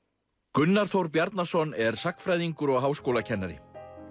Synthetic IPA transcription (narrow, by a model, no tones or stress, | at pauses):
kʏnːaɾ̥θowɾpjaɾt̪nasɔnɛɾ̥sakfɾajðiŋkʏɾɔɣɦaːwskowlacʰɛnːaɾɪ̰